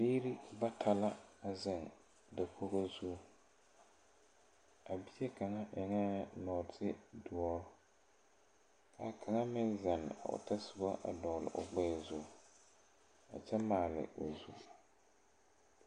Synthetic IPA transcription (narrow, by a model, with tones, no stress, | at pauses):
biː˦ɾi˦ba˦tʰa˨la˦a˨zɪ˦˨ŋ | da˨kʰo˦ɣo˦zu˦˨ | a˨bi˦jɛ˦ka˨ŋa˦ʔɛ˨ŋa˦nɔː˨tʰɪ˦dʊ˨ɔ˦ɾ | kʰa˨˦kʰa˨ŋa˦mɪ˦nza˨nɪ̰˨a̰˨ʊ̰˨ta˦sʊ˨ba˦ʔa̰˨dɔ˨lɪ̰˨ʔʊ̰˨ɡ͡bɛ˦˨zʊ˦˨ | a̰˨t͡ʃɛ˦maː˨lɪ̰˨ʊ˨zu˨